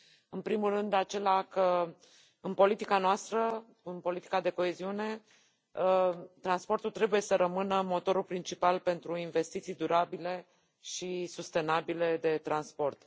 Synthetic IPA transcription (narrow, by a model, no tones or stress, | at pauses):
ɨnpɾimulrɨnd̪at͡ʃe̞lakə | ɨnpo̞lit̪ikanoast̪ɾə | ɨnpo̞lit̪i̥kad̪e̞ko̞e̞ziune̞ | t̪ɾanspo̞rt̪ult̪ɾe̞buje̞səɾʔəmɨnəmo̞t̪o̞ɾulpɾint͡ʃipalpe̞nt̪ɾuinve̞st̪it̪sijd̪uɾabile̞ | ʃisust̪e̞nabile̞d̪e̞t̪ɾanspo̞rt̪